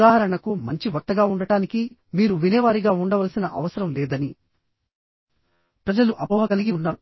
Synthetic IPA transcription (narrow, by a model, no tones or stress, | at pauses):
aːɦɐɾɐɳɐkumɐɲt͡ʃiʋɐk̚t̪ːɐɡaːuɳɖɐʈaːniki | miːɾuʋinɛːʋaːɾiɡaːuɳɖɐʋɐlɐsinɐʔɐ̰ʋɐsɐɾɐmlɛːd̪ɐni | pɾɐd͡ʒɐluʔɐbɐʋɐɡɐliɡiunːaː